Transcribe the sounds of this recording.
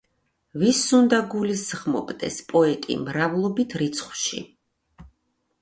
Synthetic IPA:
visund̪aɡulisʁmɔ̰pʼd̪ɛ̰spʼɔɛt̪ʼḭmɾavlˠɔbit̪ʰɾit̪sʰχwʃḭ

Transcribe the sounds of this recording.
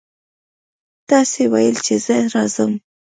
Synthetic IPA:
t̪ɑsewajəlt͡ʃez̥əɾɑzəm

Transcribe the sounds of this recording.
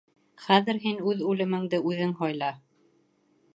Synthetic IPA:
χæðɘ̆ɾɦinʉðʉlɘ̆mɘ̆ŋd̪ɘʔʉðɘŋɦɒjlˠɑ

